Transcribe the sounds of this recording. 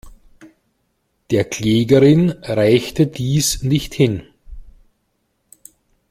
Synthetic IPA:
d̥eːɐkʰl̥eːɡɐʁɪnʁaɪçtədiːsnɪçthɪn

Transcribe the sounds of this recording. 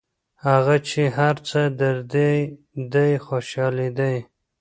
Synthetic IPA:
haɣat͡ʃeɦaɾt͡səd̪aɾd̪e | d̪ajxoʃɑled̪aj

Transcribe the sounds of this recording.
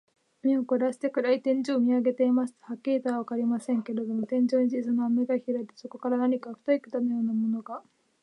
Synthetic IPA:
mʲiokoɾaɕi̥t̪e̞kɯ̟ɾait̪ẽ̞ɲ̟d͡ʑo̞ːmʲiaɡe̞t̪e̞imasɨ̥t̪ohakʲːiit̪oaβakaɾʲimasẽ̞ŋke̞ɾe̞d̪o̞mo̞t̪ẽ̞ɲ̟d͡ʑo̞ːɲ̟id͡ʑisanoameɡaçʲiɾait̪e̥so̞ko̞kaɾanaɲ̟ikaɸɯ̥t̪oikɯ̥t̪anojo̞ːnamo̞no̞ɡa

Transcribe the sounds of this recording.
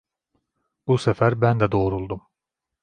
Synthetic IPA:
busæfæɾbænd̪æd̪o̞ɾulˠd̪um

